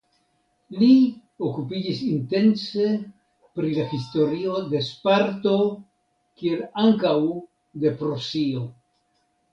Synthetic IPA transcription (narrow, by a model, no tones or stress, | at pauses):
li | okupid͡ʒisinte̞nse̞ | pɾilaxisto̞ɾio̞d̪e̞spaɾto̞ | kie̞laŋkaw | d̪e̞pɾosio̞